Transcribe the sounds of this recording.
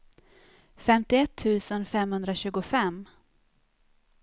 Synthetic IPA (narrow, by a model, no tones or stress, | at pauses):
fɛmt̪ɪɛt̪ʰːʉ̟ːsənfɛmhɵnd̪ɾaɕʉ̟ːɡʊfɛm